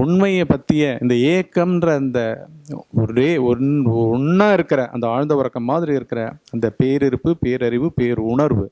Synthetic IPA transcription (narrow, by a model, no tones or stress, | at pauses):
ʊɳmɐjepɐt̪ːɪjɐɪ̰nd̪ɐeːkːɐmnɾɐɪnd̪ɐ | ɔɾeːɔɾʊɳːaːɪɾɯkːɐɾɐʔɐ̰nd̪ɐaːɻnd̪ɐʋɐɾɐkːɐmːaːðɪɾiɪɾɯkːɐɾɐɐnd̪ɐpeːɾɪɾɯpːɯpeːɾɐɾɪʋɯpeːɾʊɳɐɾʋɯ